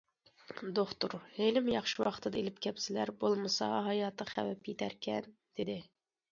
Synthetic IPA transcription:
d̪oχt̪uɾhelɪmjɑχʃɪwɑqt̪ʰɨd̪ɑelɪpkʲʰɛpsɪlæɾbolˠmɨsɑ̰ɦɑjɑːt̪ʰəχæwɛpjet̪ʰæɾkʲʰɛn | d̪̥ɪd̪ɪ

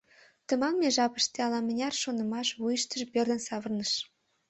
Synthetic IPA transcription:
t̪ə̆mɑmːeʒɑpə̥ʃt̪eɑlɑmə̆nʲɑrʃonə̆mɑʃβujəʃt̪əʒperd̪ə̆nsɑβərnəʃ

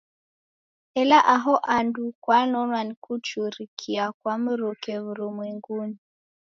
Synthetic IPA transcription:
ɛlaʔaɦɔʔandukwanɔmanikut͡ʃuɾikʰiakwam̩ɾukɛβuɾumwɛŋɡuni

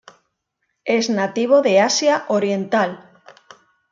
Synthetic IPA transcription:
eznat̪iβ̞oðe̞asjaʔoɾjẽ̞nt̪al

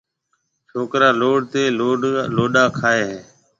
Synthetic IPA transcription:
t͡ʃʰoːkɾaːloːɽt̪eːloːloːɗaːkʰaːeːɦeː

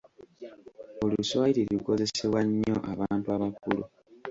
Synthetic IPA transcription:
o̞luswajiɾeluko̞ze̞seβwaɲːo̞ʔaβaːntuaβakulu

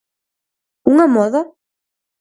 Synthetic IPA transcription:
uŋamɔða

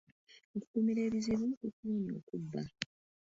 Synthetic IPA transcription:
oku̥kumiɾeːβiziβukukuːɲo̰ːkubːa

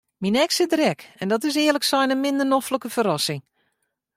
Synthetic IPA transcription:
minɛksədrɛkɛndɔtɪsɪələksɛjnəmɪndənɔfləkəfəɾɔsɪŋ

